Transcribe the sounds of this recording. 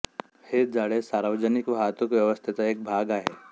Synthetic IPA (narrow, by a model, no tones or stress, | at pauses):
hed͡zaɽesaɾʋəd͡ʑənikʋaɦt̪ukʋjəʋəst̪ʰit̪əek̚bʱaɡaɦḛ